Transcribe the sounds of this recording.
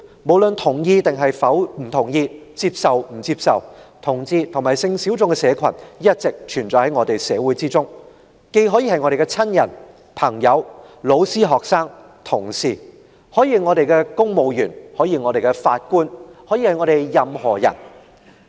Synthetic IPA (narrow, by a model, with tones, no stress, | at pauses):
mo˨˩wlɵ˨nt̪ʰʊ˨˩ŋjiː˧t̪ɪ˨ŋɦɐ˨jfɐ˨˥wm̩˨˩t̪ʰʊ˨˩ŋjiː˧t͡siː˧p̚sɐ˨wm̩˨˩t͡siː˧p̚sɐ˨wt̪ʰʊ˨˩ŋt͡siː˧t̪ʰŋmaː˨˩jsɪ˧ŋsi˨˥wt͡sʊ˨˧ŋkɛ˧sɛː˨˧kʷʰɐ˨˩njɐ˥t̚t͡sɪ˨k̚t͡ʃʰyː˨˩nt͡sɔː˨˥jhɐ˨˥jŋɔː˨˧t̪e˨jsɛː˨˧wuː˨˥jt͡siː˥t͡sʊ˥ŋ | ke˧jɦɔː˨˥jiː˨˧hɐ˨jŋɔː˧ɾe˨jkɛ˧t͡sʰɐ˥njɐ˨˩n | pʰɐ˨˩ŋjɐ˨˧wlo˨˧wsiː˥ɦɔː˨k̚saː˥ŋ | t̪ʰʊ˨˩ŋsiː˨˩ | hɔː˨˥jiː˧ŋɔː˨˧ɾe˨jkɛː˧kʊ˥ŋmo˨˧wjyː˨˩nhɔː˨˥jiː˧ŋɔː˨˧ɾe˨jkɛ˧fa̰ː˧t̚kuː˥nhɔː˨˥jiː˧hɐ˨jŋɔː˨˧ɾe˨jjɐ˨mhɔː˨˩jɐ̰˨˩n